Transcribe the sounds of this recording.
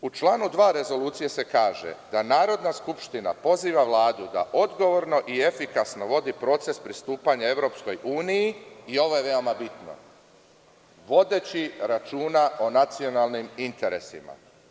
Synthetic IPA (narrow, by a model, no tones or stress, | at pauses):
ut͡ʃlˠaːnud̪ʋaːɾe̞zo̞luːt̪sijese̞kaːʒe̞̰d̪anaːɾo̞d̪naskupʃt̪ina̰po̞ziːʋaʋlˠaːd̪ud̪a̰ʔo̞d̪ɡo̞ʋo̞ɾno̞ʔiefikasno̞ʋo̞d̪ipɾo̞t̪se̞spɾist̪uːpaɲae̞ʋɾo̞ːpsko̞juːnijiio̞ʋo̞je̞ʋe̞o̞mabit̪no̞̰ | ʋo̞d̪e̞t͡ɕiɾat͡ʃuːnaʔo̞nat̪sio̞nalˠnimint̪e̞ɾḛsḭma̰